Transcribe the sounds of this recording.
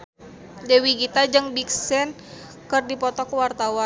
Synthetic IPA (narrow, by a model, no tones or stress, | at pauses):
dɛwiɡit̪ad͡ʒɨŋbiksɛn | kərdipɔt̪ɔkəwart̪awa